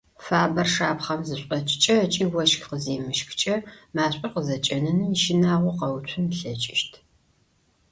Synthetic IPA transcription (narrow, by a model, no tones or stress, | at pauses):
faːbɐrʂaːpχɐmzɨɕʷʼɐt͡ʃʼt͡ʃʼɐt͡ʃʼiːwɐʃqəzeːmɨʃxt͡ʃʼɐmaːɕʼiːqəzɐt͡ʃʼɐnɐniʃɪnaːʁʷʊqɐwt͡ʃʷʰʊmɬɐt͡ʃʼɪʃtʰ